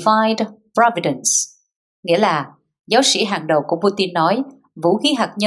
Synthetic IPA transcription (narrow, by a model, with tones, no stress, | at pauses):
va˧jdpɹɔ˧vi˧ɗə˨ns | ŋḭ˧˥əlaː˨˩ | zaː˨˦wsḭ˧˥˩ɦaː˨˩ŋɗə˨˩wku˧˩əpu˧t̪i˧nːɔ˨˦j | vṵ˧˥xi˨˦ɦaː˨˩k̚ɲə˧